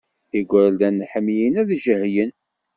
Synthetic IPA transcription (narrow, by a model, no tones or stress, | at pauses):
iɡʷæɾld̪ænːħəmːjinæðʒəhjən